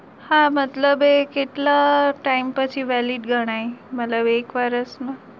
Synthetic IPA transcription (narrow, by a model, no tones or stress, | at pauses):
hãmət̪ləbekeʈlaʈaimpət͡ɕʰiʋæliɖɡʱəɽ̃ajmət̪ləbekʋaɾəsna